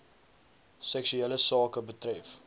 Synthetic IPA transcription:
sɛksyeːləsɑːkəbətɾɛf

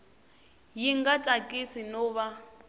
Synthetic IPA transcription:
jiŋɡatʼakʼisinɔːβa

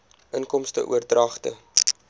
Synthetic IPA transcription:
ʔənkɔmstə̰ʔuərdrɐχtə̰

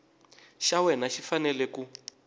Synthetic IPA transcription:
ʃawɛnaʃifanɛlɛku

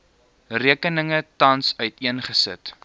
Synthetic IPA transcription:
riəkənəŋətɐnsœɥtiənχəsə̰t

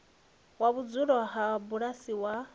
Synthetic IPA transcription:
waβud͡zuɺɔɦabuɺasiwa

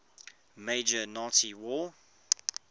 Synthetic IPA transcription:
meɪd͡ʒənɔtiwɔː

